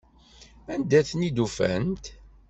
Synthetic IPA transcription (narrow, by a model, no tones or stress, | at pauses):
ænd̪æθnid̪ufæ̰nt̪